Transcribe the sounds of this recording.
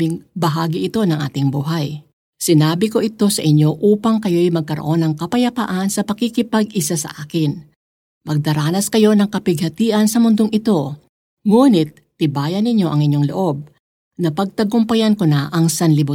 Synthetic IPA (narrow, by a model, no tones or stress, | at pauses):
ɪŋbɐɦaːɡɪʔɪt̪o̞nɐŋʔa̰ːt̪ɪŋbuːɦɐj | sɪnaːbɪko̞ʔɪt̪o̞sɐ̰ʔɪɲjo̞ʔuːpɐŋkɐjo̞jmɐɡ̚kɐɾoʔo̞nɐŋkɐpɐjɐpa̰ʔɐnsɐpɐkikɪpɐɡʔɪsasɐ̰ʔaːkɪn | mɐɡ̚d̪ɐɾaːnɐskɐjo̞nɐŋkɐpɪɡ̚hɐt̪iːʔɐnsɐmʊnd̪o̞ŋʔɪt̪o̞ | ŋuːnɪt̪̚ːɪbaːjɐnːɪɲjo̞ʔɐŋɪɲoŋlo̰ʔo̞b̚ | nɐpɐɡ̚t̪ɐɡʊmpɐjɐnkonɐʔɐŋsɐnlɪbu